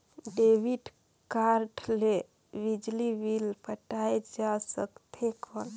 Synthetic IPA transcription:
ɖeʋiɖ | kaɾʈʰle | bid͡ʒliʋilpəʈaed͡ʒasəkt̪ʰekəl

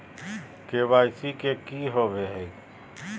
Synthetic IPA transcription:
keβajsikekiɦobeɦɛ

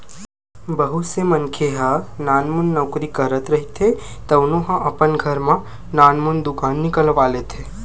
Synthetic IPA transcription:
bəɦusemənkʰeɦãnaːnmunːɔʊkɾikəɾət̪ɾɐɦit̪ʰe | t̪ɐʋnoɦãʔɐpənɡʱəɾmã | naːnmund̪ʊkaːnːɪkəlʋaːlet̪ʰe

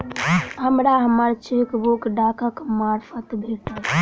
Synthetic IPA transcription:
ɦəmɾaɦəmaɾt͡ʃikbokɖaːkãkmaːɾfʰət̪bʱeːʈ̪a

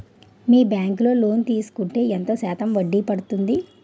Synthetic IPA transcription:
miːbjaːŋklo̞ːlo̞ːnt̪iːsu̥kuɳʈe̞ːent̪o̞ːsaːt̪ɐmʋɐɖːipɐɽut̪und̪i

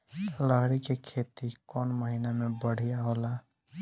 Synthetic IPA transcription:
ləɦɽikekʰet̪ikɔnməɦinamebəɽ̤ijaɦola

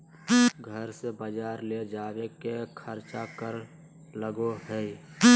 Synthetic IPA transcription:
ɡʱəɾsebəd͡ʒaːɾled͡ʒaːwekekʰəɾt͡ʃakəɾ | ləɡoɦɛ

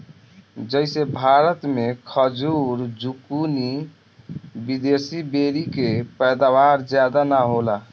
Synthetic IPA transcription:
d͡ʒəɪsebʱaɾət̪mekʰəd͡ʒuɾd͡ʒukuni | bid̪esibeɾikepəjd̪abaɾd͡ʒjad̪anaɦola

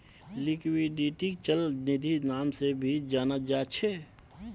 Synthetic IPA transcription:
lɪkwiɖiːʈit͡ʃəlnɪd̪ʱinaːmsebʱid͡ʒaːnəd͡ʒaːt͡ʃʰɛ

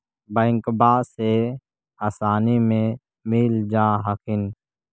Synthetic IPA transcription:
bə̃ːŋkbaːse | aːsaːnimẽ | mɪld͡ʒaːɦakɪn

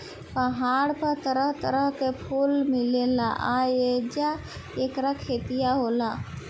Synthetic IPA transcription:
pəɦaːɽpət̪əɾəɦt̪əɾəɦkepʰuːlmɪlela̰ʔaed͡ʒa | eːkɾakʰeːt̪ijaɦoːla

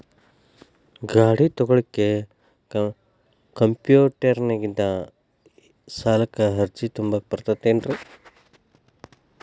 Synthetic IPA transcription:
ɡaːɽit̪ɔɡɐɭikːe | kɐmpjuːʈɐɾnɐɡind̪ɐ | saːlɐkːɐɦɐɾt͡ʃit̪umbak̚pɐɾt̪ɐt̪ːeːnɖɾi

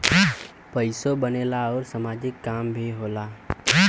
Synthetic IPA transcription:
pəɪsobəneːlaɔːɾsəmaːd͡ʒɪkːaːmbʱiɦoːlaː

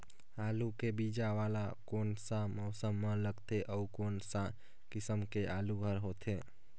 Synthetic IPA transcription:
aːlukebid͡ʒaʋaːlakonsãmɔːsəmːə̃ləɡt̪eʔɔukonsã | kɪsəmkeʔaːluɡʱəɾɦot̪ʰe

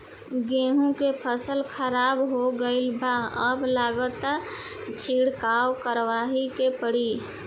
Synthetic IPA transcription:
ɡẽɦũkepʰəsəlkʰəɾabɦoɡəɪlbaəblaɡət̪ | t͡ʃʰiɽkawkəɾʋaɦikepəɽi

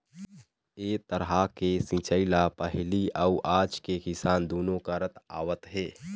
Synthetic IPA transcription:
eːt̪əɾɦakesĩt͡ʃəɪlapəɦliəuʔaːd͡ʒkekɪsaːnd̪oːnõkəɾət̪a̰ːʋət̪ɦeː

